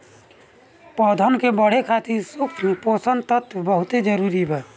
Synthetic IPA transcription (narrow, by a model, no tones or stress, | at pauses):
pɔd̪ʱənkebəɽ̤ekʰat̪iɾsupʰiposənt̪ət̪ʰbəɦʊt̪ed͡ʒəɾuːɾibʱɛː